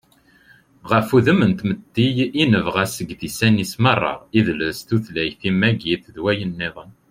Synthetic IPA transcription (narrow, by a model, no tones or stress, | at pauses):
ʁəfuðəmənt̪məd̪ːijinəvʁæsəɡðisænismərˤːɑ̰ʁiðləst̪uθlæjθimːæɡiθðwæjənːeðˤən